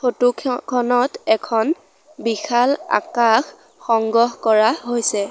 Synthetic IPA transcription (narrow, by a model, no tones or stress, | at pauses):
xʰotukʰɔnɔtɛkʰɔn | bixʰala̰kaxː | ɔŋɡɔɦkɔɹaɦojsɛ